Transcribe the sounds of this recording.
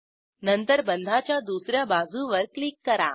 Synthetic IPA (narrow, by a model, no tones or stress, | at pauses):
nənt̪əɾbənd̪ʱat͡ɕjad̪usɾjabad͡zʱuʋəɾklikːəɾa̰